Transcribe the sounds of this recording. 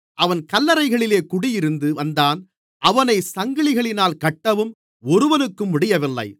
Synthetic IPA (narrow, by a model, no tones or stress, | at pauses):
ʔɐʋɐnkɐlːɐɾɐɪɣɐɭɪleːkʊɽɪjɪɾɯnd̪ɯʋɐnd̪aːn | ʔɐʋɐnɐɪsɐŋɡɐɭɪɣɐɭɪnaːlkɐʈːɐʋɯm | ɔɾɯʋɐnɯkːɯmːʊɽɪjɐʋɪlːɐ̰ɪ